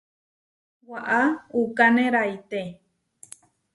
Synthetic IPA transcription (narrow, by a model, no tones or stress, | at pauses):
waʔaukanẽɾajt̪e